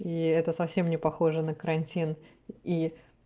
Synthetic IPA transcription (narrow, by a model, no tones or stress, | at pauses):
iɛt̪əsɐfsʲe̞mnʲɪpɐxo̞ʐənəkəɾɐnʲtʲin | i